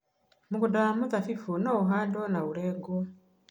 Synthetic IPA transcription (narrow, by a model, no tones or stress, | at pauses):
mukudaamuðafifunauɦadonauleːɡo